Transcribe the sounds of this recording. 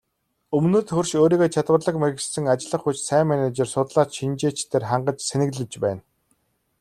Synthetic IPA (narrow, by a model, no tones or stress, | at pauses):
ɵmnɵːt̪xɵrʃoːɾiːɣoːt͡ɕʰat̪wə̆rɮə̆kmæɣɘ̆ɮsɘ̆ŋat͡ɕɪ̆ɮə̆χut͡ɕsæːŋmænæt͡ɕersʊt̪ɮaːt͡ɕʃint͡ɕeːt͡ɕt̪ʰeːrχaɴɢə̆t͡ɕsenɘ̆ɣɮɘ̆t͡ɕpæːn